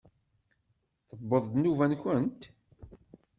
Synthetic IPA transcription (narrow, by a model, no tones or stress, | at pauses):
θəbːəðˤd̪nuvænçənt̪